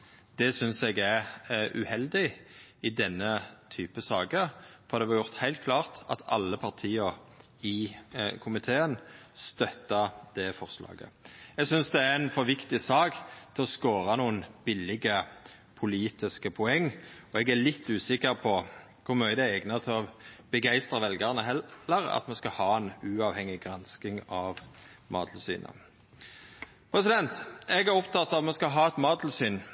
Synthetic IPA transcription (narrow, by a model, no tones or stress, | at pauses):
d̪̥ɛsʏnsɛɡæʉ̰hɛld̪ɪɪd̪ɛnːət̪ʰyːpəsɑːɡəfɔʁd̪ɛʋɑɾjʊʁt̪hæɪlt̪̚kʰlɑːʁt̪ɑ̰t̪ʰɑ̰lːəpʰɑʁt̪ʰiːəɾ | ɪkʰʊmɪt̪ʰeːən | st̪œt̪ːɑd̪̥ɛfɔʁslɑ̰ːɡə̰ɛɡsʏnsd̪ɛæɾɛnfɔɾʋɪkt̪ɪsɑːɡt̪ʰɪlɔskoːɾɑnuːənb̥ɪlːɪɡə | pʰʊliːt̪ɪskəpʰʊɛŋːɔɛɡæɭɪt̪ːʉːsɪkːəʁpʰɔ | kʰʊmœʏəd̪æɛɡnɑt̪ʰɪɔb̥əɡæɪst̪ɾɑʋɛlɡəʁnəɦɛəʁɑ̰t̪mɛskɑhɑːɛnʉːɑʋhɛŋːɪɡʁɑnskɪŋɑʋ | mɑ̰ːd̪l̩sy̰ːnə̰ | pʰɾɛsɪd̪ɛnt̪ɛɡæɾɔpt̪ʰɑt̪ːɑʋɑt̪mɛskɑɦɑːɛt̪mɑːd̪l̩syːn